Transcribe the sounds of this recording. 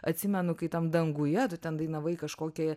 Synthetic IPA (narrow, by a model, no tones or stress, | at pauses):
ɐt̪ʲsʲɪmʲɛnʊkɐɪt̪ɐmd̪ɐŋɡʊjɛt̪ʊt̪ʲɛnd̪ɐɪnɐʋɐɪkɐʃkoːkʲɛːjɛ